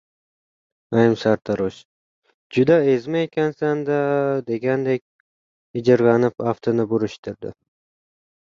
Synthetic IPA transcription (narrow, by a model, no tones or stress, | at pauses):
ajmsaɾt̪ʰaɾoʃ | d͡ʒʊd̪aezmaekʲʰansand̪ad̪e̞ɡʲand̪ekʲ | ɪd͡ʒɪɾlɑnɪpaft̪ʰɪnɪbʊɾɪʃt̪ʰɪɾd̪ɪ̰